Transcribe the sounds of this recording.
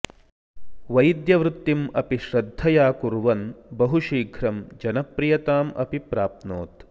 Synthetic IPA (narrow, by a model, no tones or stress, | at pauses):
ʋɐjd̪jɐʋɾut̪ːimɐpiʃɾɐd̪ʱːɐjaːkuɾʋɐnbɐɦuʃiːɡʱɾɐmd͡ʒɐnɐpɾijɐt̪aːmʔɐ̰pipɾaːp̚t̪no̰ːt̪